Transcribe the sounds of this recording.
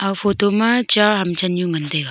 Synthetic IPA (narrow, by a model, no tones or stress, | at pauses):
afoːt̪omãt͡ʃaɦɐmt͡ʃʰɐnjũɡɐnt̪eɡa